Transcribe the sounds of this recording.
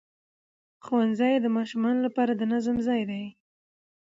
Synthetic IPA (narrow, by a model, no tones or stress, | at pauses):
xowanzajd̪əmɑʃumɑnolapɑɾad̪ənazəmzɑjd̪aj